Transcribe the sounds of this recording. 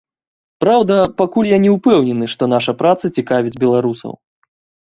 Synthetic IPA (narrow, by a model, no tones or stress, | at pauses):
pɾawd̪ɐpakulʲjanʲɛwpɛwnʲɛnɨʂt̪ɔnaʂɐpɾat̪sɐt͡sʲikavʲid͡zʲbʲɛlˠaɾusɐ̰w